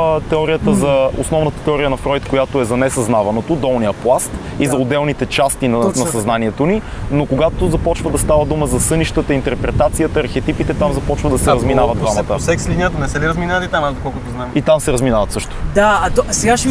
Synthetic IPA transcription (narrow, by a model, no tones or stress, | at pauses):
t̪ɛɔɾiət̪əzɐo̰snɔvnət̪ə̥t̪ɛɔɾijənɐfɾɔjt̪kojat̪oɛzɐnɛsɐznavɐnot̪od̪ɔlˠnijəplˠast̪ | izɐʊd̪ɛlˠnit̪ɛt͡ʃast̪inɐnɐsɐznaniɛt̪oni | nokoɡat̪ozɐpɔt͡ʃvəd̪ɐst̪avəd̪uməzɐsɤniʃt̪ət̪əint̪ɛɾpɾɛt̪at̪sijət̪əɐɾxɛt̪ipit̪ɛt̪amzɐpɔt͡ʃvəd̪ɐsɛɾɐzminavəd̪d̪vamɐt̪əsɛksliniət̪onɛsɛliɾɐzminaət̪it̪amazd̪okɔlˠkʊt̪oznaɛmit̪amsɛɾɐzminavɐt̪sɤʃt̪o̥d̪aɐt̪sɛɡaʃ